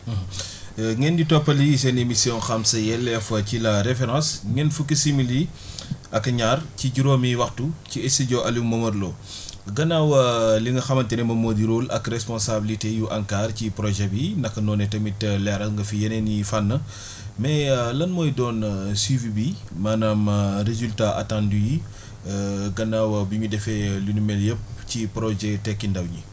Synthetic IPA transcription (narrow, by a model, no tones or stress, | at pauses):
ŋɛnditɔpːɐlisɛnemisjɔ̃ŋxɐmsɐjɛlːɛfɐcilɐɾefɛɾɑ̃sŋɛnfukːisimiliʔɐkɐɲaːrciɟuɾomiwɐxtuciɛsiɟɔʔɐlumɐmɐɾlɔː | ɡɐnawɐliŋɡɐxɐmɐntɛnɛmɐmodiɾulɐ̰krɛspɔnsabilitejuʔɐŋkaːrcipɾɔʒɛbindɐkːɐnɔnɛtɐmitlɛɾɐlŋɡɐfijɐnɛnifanːə | mɛlɐnmɔːjdɔːnsivibi | maːnamɾezultaʔɐ̰tãnduji | ɡɐnːaːwɐbiɲudɛfɛlinumɛljəp̚cipɾɔʒɛtɛkːindɐwɲi